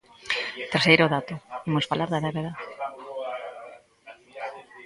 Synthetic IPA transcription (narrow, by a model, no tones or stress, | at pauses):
t̪eɾsejɾoðat̪ʊimʊsfalaɾðɐβeβeða